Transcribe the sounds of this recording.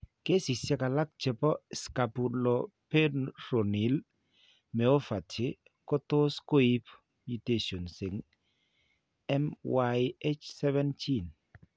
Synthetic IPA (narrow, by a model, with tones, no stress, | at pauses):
ke˦si˨sja˦ka˨la˦k̚t͡ʃɛ˨pɔ˦ska˨pu˨lɔ | pɛ˦nɾɔ˨ni˨l | mɛ˨o˦fa˨tɪ˦ | kɔ˦to˦sko˦i˦p | mu˨te˨so˨nsɪ˨ŋ | ɛ˦mwaje˦t͡ʃsɛ˦vɛ˦ntʰi˦n